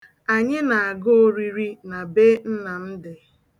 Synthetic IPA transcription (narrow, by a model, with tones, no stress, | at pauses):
a˨ɲɪ˦na˨a˨ɡo˦o˦ɾi˦ɾi˦na˨be˦n̩˦na˨n̩˦dɪ˨